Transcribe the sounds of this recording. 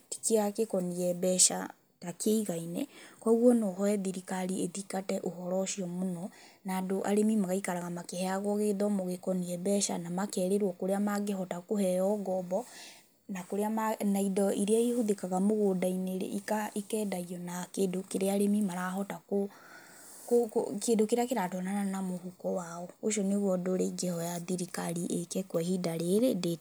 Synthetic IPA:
ti̥kiakekɔniɛbɛʃa̰ | takeiɣainɛkwɔɣwɔnɔɦɔɛðiɾikaɾieðikatɛʔoɦɔɾɔʃiɔmonɔnaːdoʔaɾemimaɣaikaɾaɣamakehɛaɣɔɣeðɔmoɣekɔniɛbɛʃa̰namakɛɾeɾwɔkoɾeamaɡeɦɔtakohɛɔɡɔbɔ | nakoɾeamanaidɔiɾeaihoðekaɣamoɣodaineɾḛikaikɛːdaiɔnakedokeɾeaɾemimaɾaɦɔtako | kokkedokeɾeakeɾatɔnananamohukɔwaɔoʃɔneɣwɔdoɾeɡɛhɔjaðiɾikaɾiʔekɛkwɛhidaɾeɾede

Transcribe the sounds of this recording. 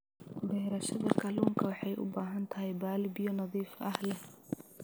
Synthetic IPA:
ɖɛːɾɐʃɐðɐkʰɐluːŋkʰɐwɑħɑjʔʊ̰baːɦɐnt̪ʰɐɦɛjbaːlɪbɪjɔnɐðiːfɐhlɛh

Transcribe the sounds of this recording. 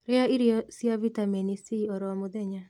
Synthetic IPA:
ɾeaiɾjɔsjavitaminisiɔɾɔmoðɛɲa

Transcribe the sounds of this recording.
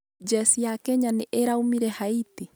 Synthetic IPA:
d͡ʒɛsijakɛɲaneʔeɾaumiɾɛhaiti

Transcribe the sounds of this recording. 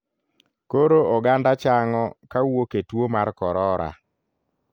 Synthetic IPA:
koɾoʔɔɡandat͡ʃaŋɔkawoketwomaɾkɔɾɔɾa̰

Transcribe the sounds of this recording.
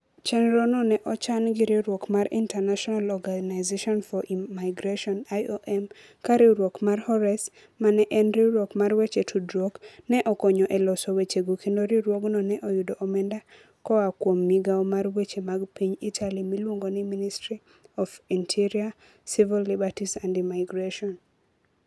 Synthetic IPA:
t͡ʃɛnɾɔnɔnɛʔɔt͡ʃanɡɪɾeɾwɔkmaɾḭntɛnaʃɔnalɔɡanaɪzeʃɔnfɔʔimaɪɡɾaʃɔnajoʔɛm | kaɾɪɾwɔkmarhɔɾɛs | manɛʔɛnɾiɾwokmarwet͡ʃetʰudɾɔknɛʔɔkɔɲɔʔɛlɔsowet͡ʃeɡokendoɾiɾwɔɡnɔnɛʔɔjʊdɔʔːmɛnda | kɔakwomːiɡaɔmarwet͡ʃemaɡpiɲitʰalimilwoŋɡoniministɾi | ɔfintʰiɾia | sivilːibatisandimaɪɡɾaʃɔn

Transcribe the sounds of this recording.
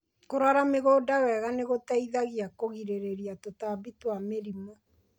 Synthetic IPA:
koɾwaɾameɣoːdawɛɣaneɣotaiðaɣiakoɣiɾeɾeɾiatotaːbitwameɾimɔ

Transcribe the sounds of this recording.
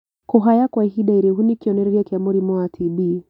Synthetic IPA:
kɔɦajakwaɦiɗaiɾɛɦunikiɔnɛɾɛɾiakiamɔɾimɔatʰibi

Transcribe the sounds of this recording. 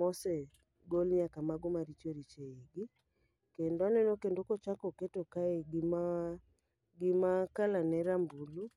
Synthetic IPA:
mɔsɛ | ɡɔlɲakamaɡomaɾit͡ʃɔɾit͡ʃɛiɡi | kendanɛnɔkɛndokɔt͡ʃakɔkɛtɔkaeɡima | ɡimakalanɛɾambulu

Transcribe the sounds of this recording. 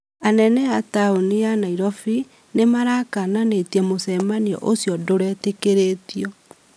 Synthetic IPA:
anɛnɛataonianaiɾɔfi | nemaɾakananetiɛmosɛmaniɔ̰ʔosjɔdoɾɛtekeɾetiɔ

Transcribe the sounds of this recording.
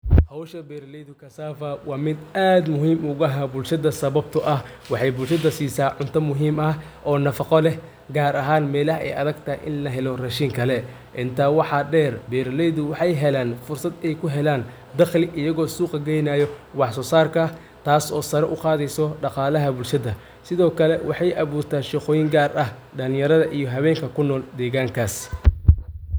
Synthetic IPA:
hɐwʃɐbɛːɾlɛjðʊkʰɐsaːfɐwɑːmɪd̪aːd̪mʊɦiːmʊɣɐɦɐbʊlʃɐðɐsɐβɐb̚t̪ʰɐʔɐhwɑħɑjbʊlʃɐðɐsiːsaːʕʊnt̪ʰɐmʊɦiːmɐh | ʔɔːnɐfɑqɔlɛ | ɡaːɾɐɦaːnmɛːlɐhʔɛ̰jɐ̰ðɐɡt̪ʰɐʔɪ̰nlɐɦɛlɔrɐʃiːŋkʰɐlɛ | ʔɪnt̪ʰaːwɑħɑɖɛːrbɛːɾlɛjðʊwɑħɑjɦɛlaːnfʊrsɐd̪ɛjkʰʊɦɛlaːn | d̪ɑχlɪʔɪjɐɣɔːsuːqɐɡɛjnaːjɔwɑħsɔːsaːrkʰɐ | t̪ʰaːsɔːsɐɾɛʔʊqɑːðɛjsɔɖɑqɑːlɐɦɐbʊlʃɐðɐ | sɪðɔːkʰɐlɛwɑħɑjʔɑβuːrt̪ʰaːnʃiqɔːjɪŋɡaːrɐh | ɖɐlɪjɐɾɐðɐʔijɞɦɐβɛːŋkʰɐkʰʊnːɔːld̪ɛːɣaːŋkʰaːs

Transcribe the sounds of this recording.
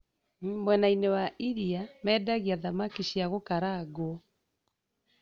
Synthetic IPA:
mwɛnainewaʔiɾiamɛːdaɣiaðamakiɕiaɣokaɾaɣwoɔ

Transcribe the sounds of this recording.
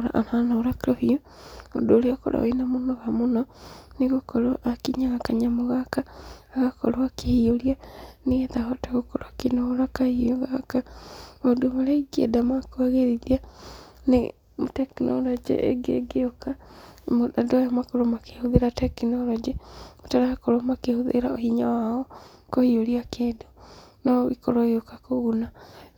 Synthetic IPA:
aʔa̰nanaoɾakeɾɔhio | o̰doɾeɔkɔ̰ɾa̰o̰inamonɔɣamonɔneɣokɔɾɔʔakiɲaɣakaɲamoɣakaaɣakɔɾoakehioɾianeɣetaɣɔteɣokoɾakenɔɾakaiɔɣakaadomaɾeiɡiḛdamakoaɣeðiðianḛ | motɛkinʔolɔd͡ʒḭʔḛɡḛɡeokamoadojamakoɾomakehoðeɾatɛkinɔlɔd͡ʒimotaɾaakoɾomakehoðḛɾaohiɲawaɔkohioɾiakʰeːdonɔβḭkoɾoeokakoɣuna

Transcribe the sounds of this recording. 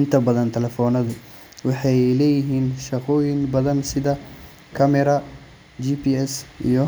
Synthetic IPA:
ɪnt̪ʰɐbɐðɐnt̪ʰɛlɛfɔːnɐðʊ | wɑħɑjlɛːjɪɦiːnʃɐqɔːjɪŋbɐðɐnsɪðɐ | kʰɐmɛɾɐ | d͡ʒipʰiːɛsʔḭjɔ

